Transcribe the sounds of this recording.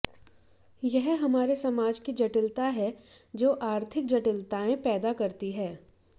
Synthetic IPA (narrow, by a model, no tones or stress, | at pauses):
jɛɦɦɐmaːɾesɐmaːd͡ʒkid͡ʒɐʈɪlt̪aɦɛd͡ʒoːʔaːɾt̪ʰɪk̚d͡ʒɐʈɪlt̪aːẽpɛːd̪akɐɾt̪iɦɛː